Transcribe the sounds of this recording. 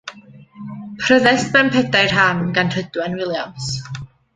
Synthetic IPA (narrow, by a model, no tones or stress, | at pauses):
pʰrəðɛstmɛmpʰɛdajrɦanɡanr̥ədwɛnwɪlˠjams